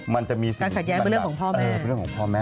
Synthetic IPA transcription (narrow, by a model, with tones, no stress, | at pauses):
ma˧nt͡ɕa˨˩miː˧si˨aː˧kʰa˨˩t̪̚jɛː˦˥kːɾə˨ŋkʰːpʰɔː˥˩mɛː˧˦˧nɾəŋʰkːɔː˨˩˦pʰɔː˥˩mɛ˦˥